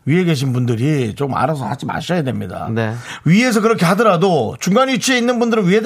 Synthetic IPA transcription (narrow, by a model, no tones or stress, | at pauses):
ɥie̞ɡe̞ɕ̬ʰinbundɯɾit͡ɕokma̰ɾas̬ʰʌhad͡ʑima̰ɕʰʌjadwe̞mɲida̰neɥie̞s̬ʰʌkɯɾʌkʰe̞hadɯɾadot͡ɕuŋɡaɲit͡ɕʰie̞inːɯnbundɯɾɯnɥiɦe